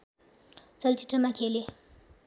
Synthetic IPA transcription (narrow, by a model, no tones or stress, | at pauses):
t͡ɕəlt͡ɕiʈ͡ʂəmakʰele